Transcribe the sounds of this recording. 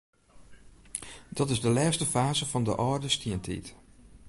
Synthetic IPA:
d̥ɑtɪzdəlɛːstəfaːzəvɑndə̰ʔɔːrdəstiəntḭt

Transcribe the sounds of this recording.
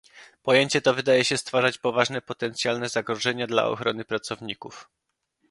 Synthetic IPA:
pɔjeɲt͡ɕɛt̪ɔvɘd̪ajɛɕɛst̪faʐat͡ɕpɔvaʐnɛpɔt̪ɛnt̪sʲjalnɛzaɡɾɔʐɛɲad̪la̰ɔ̰xɾɔnɘpɾat̪sɔvɲikuf

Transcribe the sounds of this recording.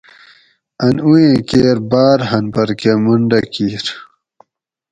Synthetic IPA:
ɐnujẽkeːɾbaːɾɦɐnpɐɾkemuɳɖɐkiːɾ

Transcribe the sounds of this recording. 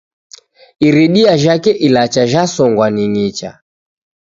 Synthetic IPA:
iɾiɗiaʒakɛʔilat͡ʃaʒasɔŋɡwaniɲit͡ʃa̰

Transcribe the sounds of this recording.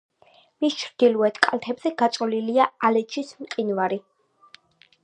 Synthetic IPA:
mist͡ʃʰɾd̪̥iluɛt̪ʰkʼalˠt̪ʰɛbzɛɡ̥at̪sʼɔliliaalɛt͡ʃʰʼismqʼinvaɾi

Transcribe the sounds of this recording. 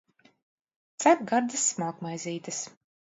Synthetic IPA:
t̪sakɡaɾd̪ɨsːmaːkmajzʲiːt̪ɨs

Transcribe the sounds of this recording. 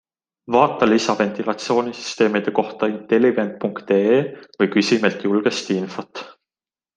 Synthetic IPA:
vɑːt̪ːˑɑlisɑve̞nt̪ilɑt̪sio̞ːnisy̥st̪e̞ːmid̪̥e̞ko̞ht̪ɑint̪e̞liɡ̥e̞nt̪̚puŋkt̪eːevɤjkysimelt̪julɡ̥est̪info̞t̪

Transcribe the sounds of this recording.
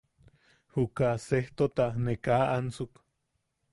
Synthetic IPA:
hukaseht̪ot̪aʔnekaːʔant͡suk

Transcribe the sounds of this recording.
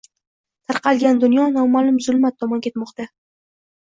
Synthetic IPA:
t̪ʰaɾqʰɑlˠɡʲand̪ʊnjɒnɒmalʊmzʊlmat̪ʰːɒmɒnkʲʰe̞t̪mɒqt̪a

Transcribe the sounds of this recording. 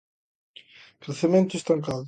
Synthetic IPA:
kɾeθemẽnt̪ʊest̪aŋkað

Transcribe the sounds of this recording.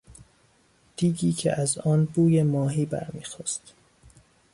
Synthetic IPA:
d̪̥iːɡiːcʰḛʔæzɒːnbuːjemɒːɦiːbæ̰ɾmḭːxɒːst̪

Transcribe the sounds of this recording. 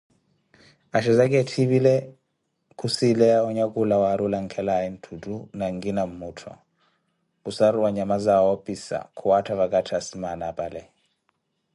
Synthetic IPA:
aʃɛzak̬ʼɛtʰiβilɛ | kʰusilɛaɔɲakʼulawaɾulaŋkʰɛlaɛn̩tʰutʼunaŋɡinam̩muːtʰɔ̰ | kʼusaɾuwaɲamazawɔpʼisa̰kʰuwatʰaβakʼatʰasimanapʼalɛ

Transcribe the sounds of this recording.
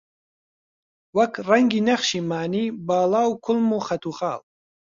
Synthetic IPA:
wɐkrɐŋɡiːnɐχʃiːmaːniːbaːlaːwkʰʊlmuxɐt̪uːχa̰ːl

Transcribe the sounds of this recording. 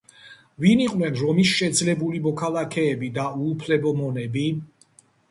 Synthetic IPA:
viniqʼwlɛnɾɔmisʃɛd̪zlɛbulimɔkʰalakʰɛːbid̪auːpʰlɛbɔmɔnɛbi

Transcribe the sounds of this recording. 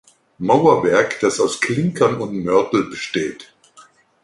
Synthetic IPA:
maʊɐvɛɐkd̥asaʊskl̥ɪŋkʰɐnʊntmœɐtl̩bəʃteːt

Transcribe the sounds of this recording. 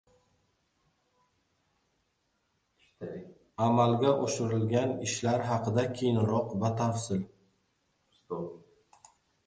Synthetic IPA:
amalɡʲaʔoʃɪɾɪlɡʲanɪʃlaɾɦɑqɨd̪akʲʰejɪnɾɒqvat̪ʰafsɪl

